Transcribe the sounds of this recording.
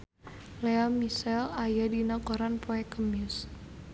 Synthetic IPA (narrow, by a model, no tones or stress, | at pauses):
leamisɛlajadinɔkoɾanpoɛkəmɪs